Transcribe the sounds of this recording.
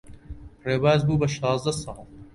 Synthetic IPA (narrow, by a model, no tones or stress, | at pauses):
ɾeːbaːzbuːbɐʃɑːzd̪ɐsɑ